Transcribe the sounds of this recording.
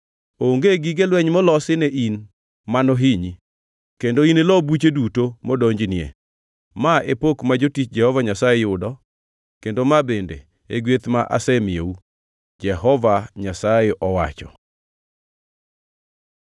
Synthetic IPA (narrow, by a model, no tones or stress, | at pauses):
oŋɡeɡiɡelwɛɲmɔlɔsɪneʔin | manɔɦiɲi | kendoinelɔbut͡ʃedutomɔdoɲd͡ʒnɪḛ | maepokmad͡ʒotit͡ʃd͡ʒɛhɔvaɲasajejʊdɔ | kendomabendḛ | eɡwet̪maʔa̰sɛmɪeu | d͡ʒɛɦɔvaɲasaeʔɔwa̰t͡ʃɔ̰